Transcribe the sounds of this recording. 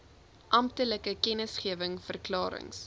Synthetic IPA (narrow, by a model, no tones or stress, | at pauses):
ʔɐmptələkəkɛnəsχiəvəŋfərklɑːɾə̰ŋs